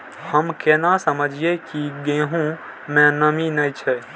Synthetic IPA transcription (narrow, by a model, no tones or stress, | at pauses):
həmkeːnasəməd͡ʒʱiekiɡẽːɦũ | mɛ̃nəminəjt͡ʃʰɛ